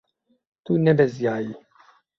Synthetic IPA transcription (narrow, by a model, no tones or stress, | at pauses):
t̪unɛbɛzjaːjiː